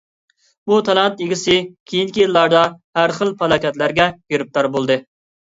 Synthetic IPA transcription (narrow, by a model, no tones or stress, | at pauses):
but̪ʰɑlˠɑnt̪eɡʲɪsɪkʲʰejinkʲilːɑɾd̪ɑhæɾχəlˠpɑlˠɑkʲɛt̪læɾɡʲɛɡ̥eɾɪp̚t̪ɑɾbolˠd̪ɨ